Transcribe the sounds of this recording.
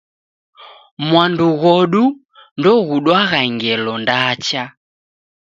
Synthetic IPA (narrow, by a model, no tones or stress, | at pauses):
mwanduɣɔɗu | ndɔɣuɗwaɣaŋɡɛlɔndat͡ʃa